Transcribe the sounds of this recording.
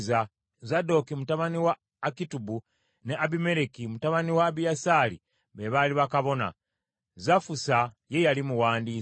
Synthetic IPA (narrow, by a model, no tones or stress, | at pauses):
za | zado̞kimutaβaniwaː | kitubu | ne̞ʔaβime̞ɾekimutaβaniwaβijasaːlḭ | βeβaliβakaβo̞na̰ | zafusa | je̞jalimuwaːndiː